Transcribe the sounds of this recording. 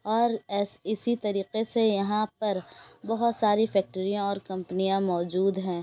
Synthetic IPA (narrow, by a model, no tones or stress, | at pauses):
ɔːɾsɪsit̪ɐɾiːqesejɐɦãpɐɾbɐɦʊt̪saːɾifɛːk̚ʈəɾijãɔːɾkɐ̃mpənijãmɔːd͡ʒuːd̪ɦɛ̃ː